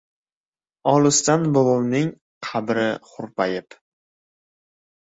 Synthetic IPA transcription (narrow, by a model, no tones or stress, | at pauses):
ɒlˠʊst̪anbolˠownɪŋ | qʰɑbɾɪχʊɾpʰajɪp